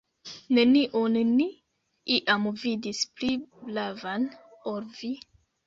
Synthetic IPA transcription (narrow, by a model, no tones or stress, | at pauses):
ne̞niʔonni | iʔamvidispliblavan | oɾvi